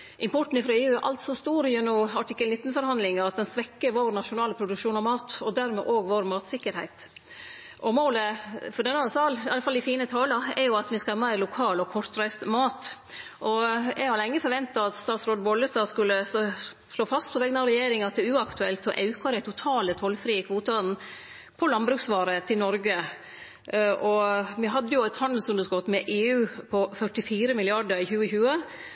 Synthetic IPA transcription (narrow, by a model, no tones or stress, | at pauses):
ʔɪmpʰɔʈn̩ɪfɾɑeːʉæɾʔɑ̰lt̪sɔst̪uːɾjɛnʊɑʈʰɪkːəlnɪt̪ːn̩fɔɾhɑnd̪lɪŋɑɑt̪̚d̪ɛnsʋɛkːəɾʋoːɾnɑʂʊnɑːləpʰɾʊd̪ʉkʃuːnɑmɑːt̪ɔd̪æɾmɛːʔoːɡʋoɾmɑːt̪sɪkːəɾhæɪt̪ | ʔɔmoːləfɔɖ̪ɛnəhɑsɑːlɑlːəfɑld̪ɪfiːnət̪ʰɑːlɑɛ̰ɾjʊɑt̪ʋɪskɑlɑːmæɪɾlʊkʰɑːlɔkʰɔɾt̪ɾæɪst̪mɑːt̪ | ʔɔɛɡhɑɾlɪŋːəfɔɾʋɛnt̪ɑɑt̪st̪ɑːt̪sɾoːd̪bɔlːəst̪ɑskʉlːə | ʂloːfɑst̪pʰɔʋɛɡnɑɾɛjeːɾɪŋɑt̪̚d̪ɛʉːɑkt̪ʉɛlt̪ɔʔɑʉkɑɾæɪt̪ʰʊt̪ʰɑːlət̪ʰɔlfɾiːəkʰʋoːt̪ʊn | pʰɔlɑnbɾʉːksʋɑːɾət̪ʰɪlnɔɾɡə | ʔɔʋɪɦɑd̪ːəjʊæt̪hɑnd̪əsɔmd̪əskɔt̪ːmɛʔeːʉːpʰɔfœʈɪfiːɾəmɪlɪɑɖəɾɪçʉːəçʉːə